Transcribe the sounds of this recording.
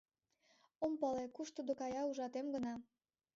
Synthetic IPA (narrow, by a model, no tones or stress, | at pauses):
ompɑlekuʃt̪ud̪okɑjɑuʒɑt̪emɡənɑ